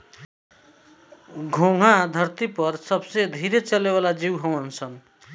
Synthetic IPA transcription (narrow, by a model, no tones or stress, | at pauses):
ɡʱoŋad̪ʱʌrt̪ipʌrsʌbsed̪ʱiɾet͡sʌlebalad͡ziwɦʌwʌnt͡sʰʌn